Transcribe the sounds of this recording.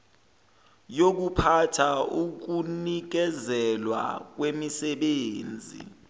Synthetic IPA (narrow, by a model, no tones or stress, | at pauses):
jok̬upʰatʰauk̬unik̬ɛzɛlwa̰k̬wemisɛɓeːnd͡zʱḭ